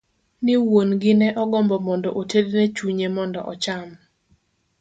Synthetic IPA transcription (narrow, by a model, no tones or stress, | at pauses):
nɪwonɡɪnɛʔɔɡɔmbɔmɔndɔʔotednet͡ʃuɲemɔndɔʔɔt͡ʃam